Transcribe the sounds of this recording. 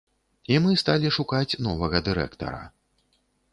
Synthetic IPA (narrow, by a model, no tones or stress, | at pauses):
imɨst̪alʲiʂukat͡sʲnɔvɐɣɐd̪ɨɾɛ̰kt̪ɐ̰ɾɐ̰